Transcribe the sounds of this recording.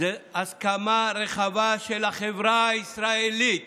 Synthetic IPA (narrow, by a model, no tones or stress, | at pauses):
easkamaɾeχavaʃelaχevʁaisɾaelit̪